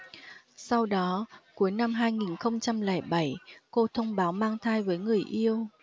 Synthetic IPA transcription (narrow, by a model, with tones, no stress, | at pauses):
sa˧wɗɔ˨˦ku˨˦jna˧mɦaː˧jŋi˨˩nxə˧wŋ͡mt͡ɕa˧mlɛ̰˧˩ɓa˧˩jko˧t̪ʰə˧wŋ͡mɓaː˨˦wmaː˧ŋt̪ʰaː˧jvəː˨˦jŋɨ˨˩əjʔi˧əw